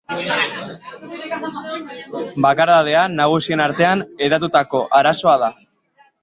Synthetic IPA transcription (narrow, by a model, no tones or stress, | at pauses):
bakaɾðaðe̞anaɣ̞usie̞naɾt̪e̞aneðat̪̬ut̪ako̞ʔaɾaso̞að̞a